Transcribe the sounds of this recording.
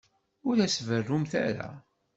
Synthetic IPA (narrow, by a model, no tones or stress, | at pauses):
ʊɾæsvərːumθæ̰ɾa̰